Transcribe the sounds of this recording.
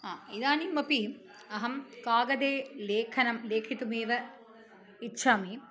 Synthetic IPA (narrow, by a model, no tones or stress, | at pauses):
aːid̪aːnimɐpi | ɐɦɐmkaːɡɐd̪eːleːkʰɐnɐmleːkʰit̪umeːʋɐ | itːʃʰaːmi